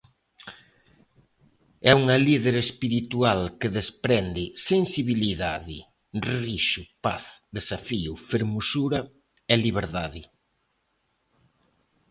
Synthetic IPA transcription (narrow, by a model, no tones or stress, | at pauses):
ɛuŋɐliðeɾespiɾit̪ualkeðespɾɛnd̪ɪsensiβiliðaðɪ̰ | riʃʊpaθðesafiʊfeɾmusuɾɐ | ɛliβ̞eɾðaðɪ